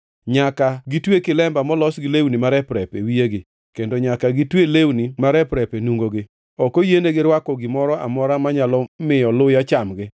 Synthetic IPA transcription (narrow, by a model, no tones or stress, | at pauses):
ɲakaɡitwekɪlɛmbamɔlɔsɡɪlewnimaɾɛpɾɛpewieɡɪ | kendoɲakaɡitwelewnimaɾɛpɾɛpenuŋɡoɡɪ | ɔkojeneɡɪɾwakɔɡɪmɔɾɔʔa̰mɔɾamaɲalɔmɪjɔlʊjat͡ʃamɡɪ